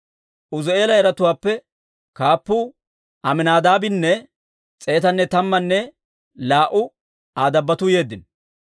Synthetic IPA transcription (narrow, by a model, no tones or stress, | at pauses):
ʔʊze̞ːlɐɛɾɐt̪ʊwaːpːɛ | kaːpːʊ | ɐmɪnaːd̪aːbɪnːɛ | t͡sʼe̞ːt̪ɐnːɛt̪ɐmːɐnːɛ | laːʔʊ | aːd̪ɐbːɐt̪ʊje̞ːd̪ːɪn